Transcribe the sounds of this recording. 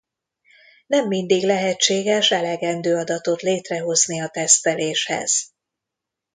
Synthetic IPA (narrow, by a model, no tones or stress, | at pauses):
nɛmːind̪iɡlɛɦɛt͡ʃːeːɡɛʃɛlɛɡɛnd̪øːɒd̪ɒt̪o̞t̪leːt̪rɛɦo̞zniɒt̪ɛst̪ɛleːʃhɛ̰z̥